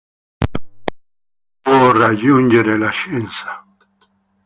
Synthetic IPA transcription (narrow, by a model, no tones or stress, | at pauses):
orad͡ʒund͡ʒeɾelaʃensḁ